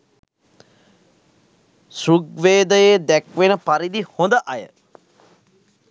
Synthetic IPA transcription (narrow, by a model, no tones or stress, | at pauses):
suɡʋeːd̪əjed̪ækʋenəpaɾid̪ihond̪əʔajə